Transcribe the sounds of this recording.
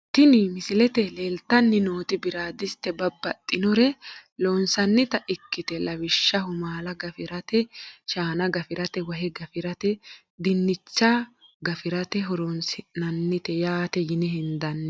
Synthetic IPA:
t̪ɪnɪmɪsɪlɛt̪ɛleːlt̪ːɐnːɪnoːt̪ɪbɪɾaːd̪ɪst̪ɛbɐbːɐt̪ʼːɪnɔɾɛloːnsɐnːɪt̪ɐʔɪkːɪt̪ɛlɐwɪʃːɐhʊmaːlɐɡɐfɪɾɐt̪ɛʃaːnɐɡɐfɪɾɐt̪ɛwɐɦɛɡɐfɪɾɐt̪ɛ | d̪ɪnːɪt͡ʃːɐɡɐfɪɾɐt̪ɛɦɔɾonsɪnɐnːɪt̪ɛjaːt̪ɛjɪnɛhɪnd̪ɐnːɛ

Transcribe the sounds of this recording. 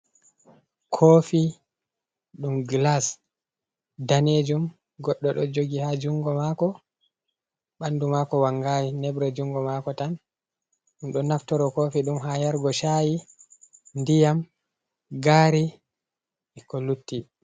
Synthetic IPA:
kʰoːfi | ɗumɡlas | daned͡ʒum | ɡɔɗːɔɗɔd͡ʒoɡihad͡ʒuŋɡɔmakɔ | ɓandumakɔwaŋɡajinɛbɾɛd͡ʒuŋɡɔmakɔtan | ɗumɗɔnaftɔɾɔkoːfiɗumɦajaɾɡɔʃaːji | ndijam | ɡaːɾi | ɛkɔlutːi

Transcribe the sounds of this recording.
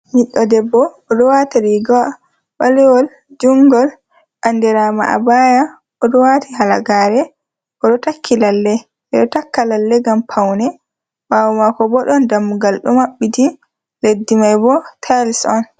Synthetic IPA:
miɗːɔdɛbːɔːɗɔwataɾiɡɔ | ɓalɛwɔl | d͡ʒuŋɡɔl | ʔandɛɾama̰ʔa̰baja | ɔɗɔwatʰiɦalaɡaːɾɛ | ʔɔɗɔtakʰːilalːɛ | ɛɗɔtakːalalːɛɡampʰawnɛ | wawɔmakɔbɔɗɔndamːuɡalɗɔmaɓːiti | ledːimajbɔtʰalsɔn

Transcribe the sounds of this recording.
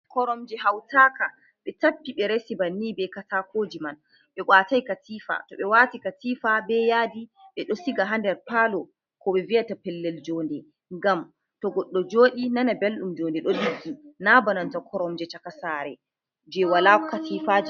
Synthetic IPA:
kɔɾɔmd͡ʒɛɦawtaka | ɓɛtapːiɓɛɾesibanːibɛkatakoːd͡ʒiman | ɓɛʔwaːtajkatiːfa̰tɔɓɛwatikatiːfabɛjadiɓɛɗɔsiɡaɦandɛɾpaːlɔ | kɔɓɛvijatapɛlːɛld͡ʒɔːndɛ | ŋɡam | tɔɡɔɗːɔd͡ʒoːɗinanabelɗumd͡ʒɔndɛɗɔɗiɡːinabanantakʰɔɾɔmd͡ʒɛt͡ʃakasaːɾɛ | d͡ʒɛwalakɔkatifad͡ʒ

